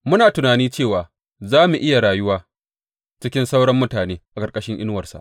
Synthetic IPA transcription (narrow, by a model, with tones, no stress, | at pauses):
mʊ˦naː˨tʊ˨naː˨niː˦t͡ʃeː˦˨waː˨ | zaː˦mu˨ʔɪ˦ja˨ɽaː˨jʊ˦waː˦ | t͡ʃɪ˦kʲɪ˦nsa˦wɽɐ˦mːʊ˦taː˨neː˦ʔa˨kʼɐ˨rkʼɐ˦ʃɪ˦ŋʔɪ˦nwɐ˨rsa̰˨ʔ